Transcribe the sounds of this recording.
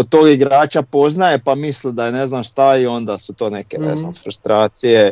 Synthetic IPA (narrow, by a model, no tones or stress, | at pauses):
ot̪o̞ːɡiɡɾaːt͡ʃapo̞znaje̞pamislid̪ajene̞znamʃt̪aio̞nd̪asut̪o̞ːne̞keḛznamfɾust̪ɾaːt̪sije̞